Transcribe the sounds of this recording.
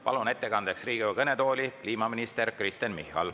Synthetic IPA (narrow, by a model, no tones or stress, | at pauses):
pɑ̰lune̞t̪ːe̞kɑnd̪̥eksriːɡiukɤnet̪o̞ːlʲikliːmɑminist̪e̞ɾkrist̪enmihːɑ̰l